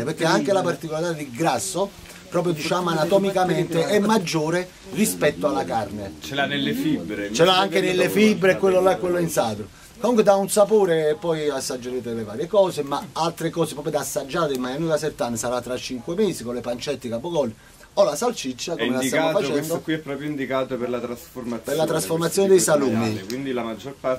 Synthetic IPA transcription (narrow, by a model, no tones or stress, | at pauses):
epeɾkːeaŋkelapart̪ikolaɾit̪ad̪iɡɾasːo | pɾɔːp̬ɾjod̪it͡ʃaːmoanat̪ɔmikamɛnt̪eɛmmːad͡ʒːoːɾe | rispɛt̪ːoalːakarnet͡ʃanlfibɾt͡ʃɛlaaŋkenelːefibɾeɛkːwelːolaɛkːwelːoinsaːd̪ɾo | komuŋkwed̪aunsapoːɾeːpːɔjasːad͡ʒːeɾeːt̪eleva̰ːɾjekɔːsemaalt̪ɾekɔːsepɾɔːpjod̪asːad͡ʒːaːt̪ɪmajanːilasɛt̪ːanːesaɾat̪ːɾat͡ʃːiŋkwemeːsikolɪpant͡ʃɛt̪ːikapːoɡɔlːi | ɔlasalt͡ʃit͡ʃːakomelasːamːfat͡ʃɛnd̪okwiɛpːɾɔːpɾjoind̪ikaːt̪opeɾlat̪ɾasformat̪peɾlat̪ɾasformat̪sːjoːned̪ɛjsaluːmikwind̪ilamad͡ʒːorpa